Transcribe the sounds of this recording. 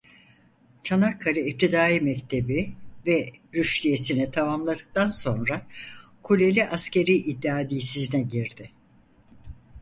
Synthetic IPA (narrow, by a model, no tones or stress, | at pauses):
t͡ʃʰanakʰːaɾɯip̚t̪ʰid̪aːjimɛct̪ʰe̞bivɛɾyʃlʲije̞sinit̪ʰamamlˠad̪ɯk̚t̪anso̞nɾakʰulʲelʲiʔasce̞ɾiːʔid̪ːaːd̪iːsiznɛɟiɾd̪ɪ